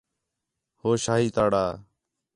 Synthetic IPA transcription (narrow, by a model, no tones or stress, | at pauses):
hoːʃaːɦiːt̪aːɽaː